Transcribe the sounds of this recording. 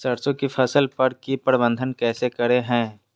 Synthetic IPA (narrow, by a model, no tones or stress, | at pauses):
sɐɾt͡ʃõkipʰɐsəlpɐɾkipəɾbə̃nd̪ʱənkɛːsekɐɾeɦɛ̃ː